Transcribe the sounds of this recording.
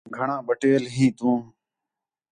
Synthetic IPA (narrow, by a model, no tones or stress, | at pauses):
ɡʱəɳãːɓəʈeːlɦiːt̪ũː